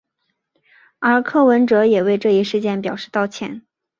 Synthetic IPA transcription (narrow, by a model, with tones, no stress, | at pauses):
ə˞˧˥kʰɤ˥˩wə˧˥nʈ͡ʂɤ˧˥jɛ˨˩we˥˧ɪʈ͡ʂɤ˥˧i˥˧ʂɻ̩˥˧t͡ɕjɛ˥˩npjɑ˨˩ʊʂɻ̩˥˧t̪ɑ˥˩ʊt͡ɕʰjɛ̰˧˥˦n